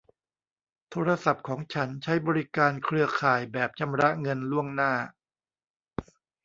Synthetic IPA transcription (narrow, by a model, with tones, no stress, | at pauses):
t̪ʰoː˧ɾa˧sa˨˩p̚kʰɔː˩˦ŋt͡ɕʰa˦˥nt͡ɕʰa˦˥jbɔː˧ɾi˦˥kaː˧nkʰɾɯ˧ɐkʰaː˨˩jbɛː˨˩p̚t͡ɕʰa˧mɾa˦˥ŋɤ˧nlu˥˩əŋnaː˥˩